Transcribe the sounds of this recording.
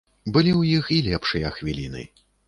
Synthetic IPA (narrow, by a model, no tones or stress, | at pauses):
bɨlʲiwjixilʲɛpʂɨjɐxvʲilʲinɨ̰